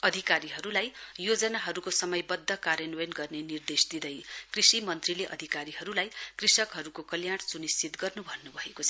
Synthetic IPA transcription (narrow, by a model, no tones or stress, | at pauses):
ʌd̪ʱikaɾiɦʌɾulajjod͡zʌnaɦʌɾukosʌmʌjbʌd̪ʱːʌkaɾjʌnuwenɡʌrnenird̪esd̪id̪ʌjkrisimʌnt̪rileʔʌ̰d̪ʱikaɾiɦʌɾulajkrisʌkɦʌɾukokʌljaɽt͡sunist͡sit̪ɡʌrnubʱʌnːubʱʌekot͡sʰʌ